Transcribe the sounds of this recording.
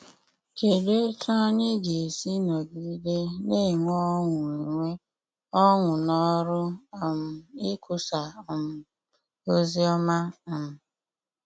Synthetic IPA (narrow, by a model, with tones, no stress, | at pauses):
ke˨de˦tɔ˦ɲi˦ɡe˨e˨si˦nɔ˨ɡi˦de˦ne˦˨ŋʷɔ˦ŋʷʊ˨i˨ŋʷe˦ | ɔ˦ŋʷʊ˨nɔ˦ɾʊ˦˨m̩˨ɪ˦kʊ˦˨sa˨m̩˨ | o˦zi˦ɔ˦ma˦˨